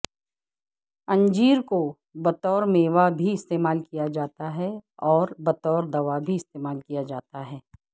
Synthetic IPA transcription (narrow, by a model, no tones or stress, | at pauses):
ɐ̃ɲd͡ʒiːɾko | bɐt̪ɔːɾmeːʋabʱiɪst̪eːmaːlkijad͡ʒaːt̪aɦɛɔːɾbɐt̪ɔːɾd̪ɐʋabʱiɪst̪eːmaːlkijad͡ʒaːt̪aɦɛː